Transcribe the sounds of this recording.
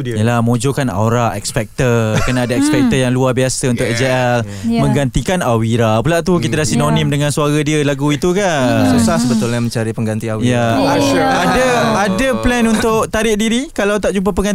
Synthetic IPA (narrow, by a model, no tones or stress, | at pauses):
jəlahməõd͡ʒokana̰oɾaʔɛkspɛk̚t̪ərkənaadaɛk̚spɛk̚t̪əjaŋluabiasaunt̪ʊʔd͡ʒeɛl | mə̃ŋɡant̪ikanawiɾapulaʔt̪ukit̪adasinonĩmdəŋãnsuaɾadiəlaɡuit̪ukasusasəbət̪ʊlɲãmə̃ɲt͡ʃaɾipəŋɡant̪iawijaaaadaadəplɛnunt̪ʊʔt̪aɾɪʔ̚diɾikalawt̪aʔ̚d͡ʒup̬ap̬əŋɡan